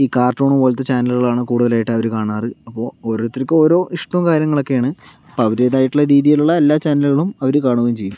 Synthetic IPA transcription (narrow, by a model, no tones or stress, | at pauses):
iːkaːrʈːoːɳumʋɐɭt̪ːɐt͡ɕaːnɐlɣɐɭaːɳɨkuːɽuðɐlaːjiʈːɨɐʋɐɾukaːɳaːrɨɐpːo̞ːoːɾoːt̪ːiɾɐkʲːɨo̞ːɾo̞ːʔiʂʈɐmkaːɾjɐŋːɐɭo̞kːejaːɳɨɐpoɐʋɐɾe̞ːðaːjiʈːuɭːɐɾiːðijiluɭːɐelːaːt͡ɕaːnɐlɣɐɭumɐʋɐɾukaːɳuʋenmt͡ɕe̞jːum